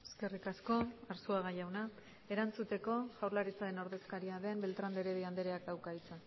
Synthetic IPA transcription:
eske̞rikasko̞aɾsuaɣ̞ajawna | e̞ɾant͡sut̪e̞ko̞ʝawɾlaɾit͡saɾe̞noɾðe̞skaɾiaðe̞mbe̞lt̪ɾand̪eɾeβiand̪eɾeak̪awkajt͡se

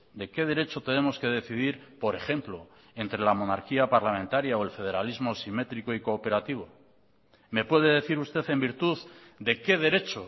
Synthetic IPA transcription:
d̪e̞ke̞ð̞e̞ɾe̞t͡ʃo̞t̪e̞ne̞mo̞ske̞ð̞e̞θið̞iɾpo̞ɾe̞χe̞mplo̞ | e̞nt̪ɾe̞lamo̞naɾkiapaɾlamẽ̞nt̪aɾjaoe̞lfe̞ð̞e̞ɾalizmo̞sime̞t̪ɾikoiko̞ːpe̞ɾat̪iβ̞o̞ | me̞pwe̞ð̞e̞ð̞e̞θiɾust̪e̞θe̞mbiɾt̪uðd̪e̞ke̞ð̞e̞ɾe̞t͡ʃo̞

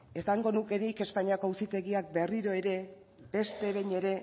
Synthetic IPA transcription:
e̞saŋɡo̞nuke̞nike̞spaɲiako̞usit̪e̞ɣiak̚be̞riɾo̞e̞ɾe̞ | be̞st̪e̞βe̞jɲe̞ɾe̞

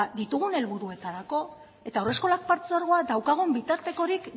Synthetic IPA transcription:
d̪it̪uɣ̞une̞lβuɾue̞t̪aɾako̞ | e̞t̪aore̞sko̞lak̚paɾt͡seaɾɣ̞oaðawkaɣ̞umbit̪aɾt̪e̞ko̞ɾik

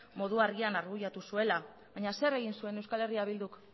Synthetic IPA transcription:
mo̞ðuaɾɣianaɾɣujat̪usue̞la | βaɲase̞ɾe̞ɣ̞insue̞ne̞wskale̞riaβild̪uk

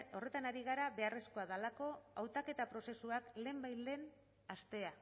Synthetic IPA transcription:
o̞re̞t̪anaɾiɣ̞aɾaβe̞are̞skoaðalako̞awt̪ake̞t̪apɾo̞se̞suakle̞ːmbajle̞n | ast̪e̞a

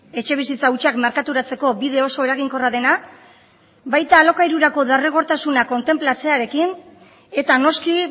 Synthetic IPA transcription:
e̞t͡ʃe̞β̞is̬it͡saut͡ʃakmeɾkat̪uɾat͡se̞ko̞biðe̞o̞so̞eɾaɣ̞iŋko̞raðe̞na | bajt̪aːlo̞kajɾuɾako̞ðereɣ̞o̞ɾt̪asunako̞nt̪e̞mplat͡se̞aɾe̞kin | e̞t̪ano̞ski

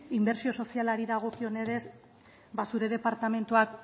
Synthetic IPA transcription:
imbe̞ɾsio̞so̞sialaɾiðaɣ̞o̞kio̞ne̞ɾe̞s | basuɾe̞ð̞e̞paɾt̪ame̞nt̪uak

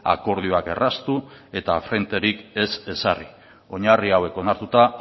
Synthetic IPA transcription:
a̰ko̞ɾðioake̞rast̪ue̞t̪afɾe̞nt̪e̞ɾike̞se̞sari | o̞ɲariawe̞ko̞naɾt̪ut̪a

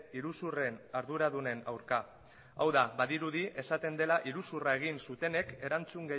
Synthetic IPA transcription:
iɾusure̞naɾðuɾaðune̞na̰wɾka | awðaβaðiɾuðie̞sat̪e̞nd̪e̞laʔiɾusurae̞ɣ̞insut̪e̞ne̞ke̞ɾant͡suŋɡe

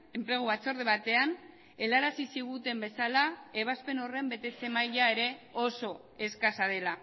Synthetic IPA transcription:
e̞mpɾe̞ɣ̞uβat͡so̞ɾðeβat̪e̞an | e̞laɾasisiɣ̞ut̪e̞mbe̞salae̞β̞aspe̞no̞re̞mbe̞t̪e̞t͡se̞majʎae̞ɾe̞o̞so̞ | e̞skasað̞e̞la

